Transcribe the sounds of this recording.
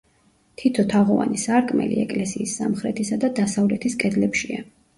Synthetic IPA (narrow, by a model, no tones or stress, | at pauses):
t̪ʰit̪ʰɔt̪ʰaʁɔva̰nisaɾkʼmɛ̰lḭɛkʼlɛsiːsːamχɾɛt̪ʰisad̪ad̪asavlɛt̪ʰiskʼɛd̪lɛpʃia